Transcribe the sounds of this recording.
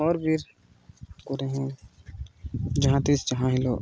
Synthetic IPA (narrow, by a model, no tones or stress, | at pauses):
ɔːɾbʱiɾ | kʊɾeɦẽ | d͡ʒɐɦãt̪isd͡ʒɐɦãɦɪloː